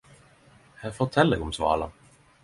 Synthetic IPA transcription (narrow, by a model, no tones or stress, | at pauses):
hæfoːt̪ʰɛləɡʊmsvɑ̰ːla